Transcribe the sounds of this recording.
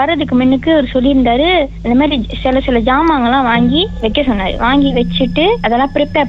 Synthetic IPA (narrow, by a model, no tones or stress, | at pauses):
ɐɾɐðɯkːɯmɛnːɯkːɯɔɾɯsɔlːiɾɯnd̪aːɾɯɐnd̪ɐmaːd̪ɾisɪlɐsɪlɐd͡ʒaːmaːŋɡɐlãːʋaːŋɡiʋɛkːɐsɔnːaːɾɯ̰ʋaːŋɡiʋɛt͡ʃːɯʈːɯɐðɛlːãːpɪɾɛpːaː